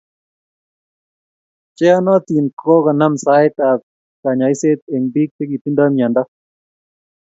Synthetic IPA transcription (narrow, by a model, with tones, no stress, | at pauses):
t͡ʃɛ˦a˦nɔ˦t̪i˨nkʰo˦ka˨na˦msa˦ɪt̪a˨ | ka˨ɲa˨i˦se˦t̪̚e˨ŋbi˦k̚t̪e˦ɡi˨t̪i˦nd̪a˦mia˨nda˦